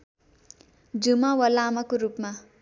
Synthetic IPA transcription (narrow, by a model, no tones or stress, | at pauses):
d͡zumawalamakoɾupma